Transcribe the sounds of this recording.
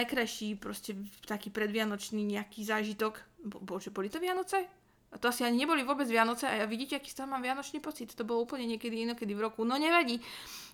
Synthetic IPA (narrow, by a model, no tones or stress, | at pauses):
ajkɾajʃiːpɾɔscɛt̪akiːpɾɛd̪ʋɪanɔt͡ʃniːɲɛakiːzaːʒit̪ɔkbɔbɔlʒɛbɔlit̪ɔʋɪanɔt͡sɛ | at̪ɔasiaɲiɲɛbɔliʋʊɔbɛd͡zʋɪanɔt͡sɛʔajaʋiɟiːcɛaki̥ːst̪aɦmaːmʋɪanɔt͡ʃniːpɔt͡sit̪ːɔbɔlɔuːpl̩ɲɛɲɪɛkɛd̪iinɔkɛd̪ivɾɔkunɔɲɛʋaɟiː